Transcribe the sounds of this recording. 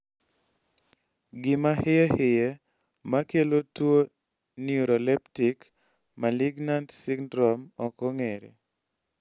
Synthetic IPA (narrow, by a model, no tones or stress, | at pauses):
ɡɪmahɪɛhɪje | makelotwo | niuɾolɛptik | malɪɡnantsiɡdɾɔmɔkɔŋeɾḛ